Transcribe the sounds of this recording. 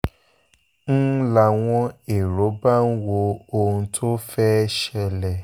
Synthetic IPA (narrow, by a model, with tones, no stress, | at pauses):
n̩˦la˧w̃ɔ̃˦e˨ɾo˨˦ba˦n̩˦wo˧o˧ũ˧tʰo˦fɛ˦ʃɛ˧lɛ˨